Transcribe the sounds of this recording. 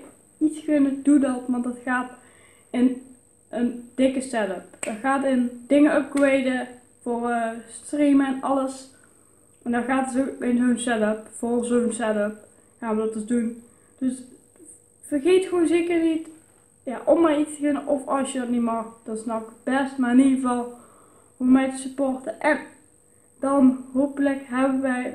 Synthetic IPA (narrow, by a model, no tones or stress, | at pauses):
iskɵnədudɑtʋɑntdɑtxaːt | ɪn | ʔənd̥ɪkəsɛtəpd̥ɑtxaːtɪndɪŋəœp̚ɡɹejdə | voːrstriməɛnɑləs | ɛndɔɣaːtəsoɪnzonsɛtəpfolsownsɛtəp̚ | xaːnʋədɔt̚dəzdun | d̥øs | fərɣeːtxʋonzeːkərnit | jaʔɔmːaːrit͡stəkɪnəʔɔfɑlsjədɑtnitmɑxd̥ɑtɪsnɔwxəb̥ɛstmarɪniɣəvɑlˠ | umɛjtəsypɔrtəʔɛn | dɑnɦowpələkɦɛbənʋɛj